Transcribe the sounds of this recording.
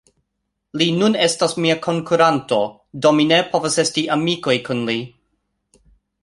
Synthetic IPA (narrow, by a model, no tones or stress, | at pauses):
linune̞stasmiakʰo̞ŋkuɾanto̞ | dominepʰo̞vase̞stiʔamiko̞jkʰunli